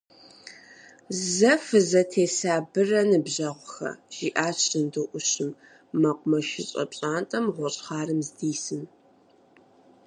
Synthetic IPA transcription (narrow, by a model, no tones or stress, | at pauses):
zɐfɨzɐtʰeːsaːbɨrɐnɨbʑɐʁʷxɐ̰ʒ̥iːʔaːɕʼɨndɨʔʷʊɕɨmː | ɐqʷʼʊmɐʃɪɕʼɐ̰pɕʼaːntʼɐmʁʷɔɕʼχɑːrɨmzdiːsɨm